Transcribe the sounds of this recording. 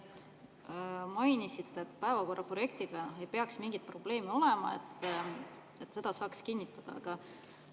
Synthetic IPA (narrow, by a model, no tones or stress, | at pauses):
mɑjnisit̪ːˑet̪ːˑpæevɑko̞rːɑpro̞je̞k̚t̪iɡ̥ɑe̞jpeɑksmiŋɡit̪̚pro̞b̥le̞ːmeo̞le̞mɑ̰ḛt̪ːˑ | et̪ːˑse̞d̪̥ɑsɑːkskinʲːit̪ːˑɑd̪̥ɑɑ̰ɡ̥ɑ